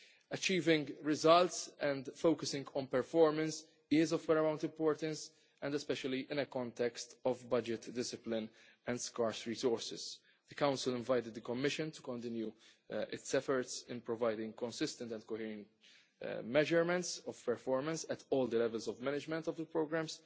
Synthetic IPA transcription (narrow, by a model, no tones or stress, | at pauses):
ɐt͡ʃiːvɪ̃ŋɡɹɪzɐlt̪sɛ̃nd̪fowkəsɪ̃ŋɡɔ̃npɛɾfɔɹmə̃ns | ɪzɔvwɛɾəmãw̃nt̪ɪ̃mpɔːɾt̪ə̃ns | ɛ̃nd̪ɛspɛʃəliʔɪ̃nəkɔ̃nt̪ɛkst̪ɔvbɐd͡ʒɪt̪dɪsɪplɪ̃n | ɛ̃nd̪skaɹsɹiːsɔɹsɪz̥ | d̪əkãʊ̃nsɪlɪ̃ɱvajt̪ɪd̪̚ːəkɔmːɪʃɨ̃nt̪u̥kɔ̃nt̪ɪ̃nju | ɪ̰t̪sɛfɔɹtsɪ̃npɹɔvajd̪ɪ̃ŋɡkɔ̃nsɪst̪ə̃nt̪ɛ̃ndkohiːɾə̃nt̪ | mɛʒəɾmɛ̃nt̪sɔv̥pɛɾfɔːɾmə̃nsɛt̪ʰɔːld̪əlɛvɛlzɔvmænɪd͡ʒmɛ̃nt̪ɔvd̪əpɾoɡɾæ̃ms